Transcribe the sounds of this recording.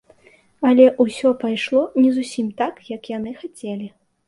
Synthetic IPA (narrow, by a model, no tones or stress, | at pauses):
ɐlʲɛʔusʲɔpajʂlˠɔnʲɛzusʲimt̪akjɐkjanɨxat͡sʲɛlʲi